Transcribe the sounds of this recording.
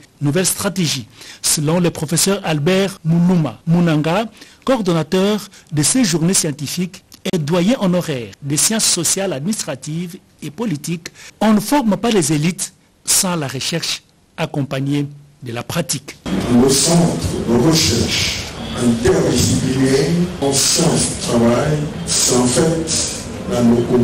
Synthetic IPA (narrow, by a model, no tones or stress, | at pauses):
nuvɛlst̪χat̪eʒisəlɔ̃ləpχɔfesœʁalbɛʁmuluma̰munãŋɡakɔʁd̪ɔnat̪œʁd̪əsɛʒuʁnesjɑ̃t̪ifikɛd̪wajɛ̃ʔɔ̃nɔʁɛːʁd̪esjɑ̃sːɔsjalad̪̚minist̪χat̪iv | epɔlit̪ikɔ̃nəfɔʁmpalɛzelit̪ | sɑ̃laʁəʃɛʁʃ | akɔ̃paɲe | d̪əlapχat̪ikləsɑ̃t̪χd̪əʁəʃɛʁʃɛ̃t̪ɛʁdisiplileɑ̃sjɑ̃sd̪ət̪χavaj | sɑ̃fɛt̪ | laloko